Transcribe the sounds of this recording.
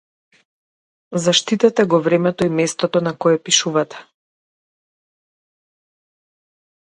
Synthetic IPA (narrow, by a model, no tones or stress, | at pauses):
zaʃt̪it̪ɛt̪ɛɡɔvɾɛmɛt̪ɔimɛst̪ɔt̪ɔnakɔjɛpiʃuvat̪ɛ̥